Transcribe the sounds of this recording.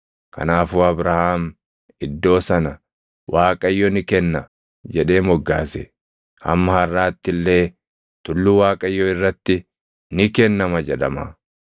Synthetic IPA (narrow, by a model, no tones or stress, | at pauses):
kɐ̰naːfuːɐbɾɐhaːm | ɪd̪ːo̞ːsɐnɐ | wʔaːkʼɐjːɔnɪkɛnːɐ | d͡ʒɛᶑe̞ːmɔɡːaːsɛ | ɐ̰mːɐhɐrːaːt̪ːɪlːe̞ː | t̪ʊlːuwaːkʼɐjːɔɪrːɐt̪ːɪ | nɪkɛnːɐmɐd͡ʒɛᶑ̪ɐma̰ː